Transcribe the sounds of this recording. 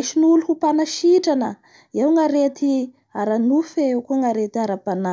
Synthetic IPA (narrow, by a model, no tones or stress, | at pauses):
ʃinuluhupanaʃiʈ͡ʂanə | ewŋaɾet̪i | aɾanufeewkuŋaɾet̪iaɾapana